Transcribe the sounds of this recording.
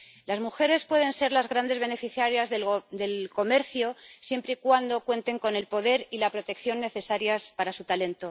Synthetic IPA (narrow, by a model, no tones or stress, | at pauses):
lazmuxe̞ɾe̞spwe̞ðe̞nse̞ɾlazɣɾand̪e̞zβe̞ne̞fiθjaɾjazðed̪e̞lko̞me̞ɾθjosje̞mpɾeikwand̪o̞kwe̞nt̪e̞ŋko̞ne̞lpo̞ðe̞ɾilapɾo̞t̪e̞kθjo̞nːe̞θe̞saɾjaspaɾasut̪ale̞nt̪o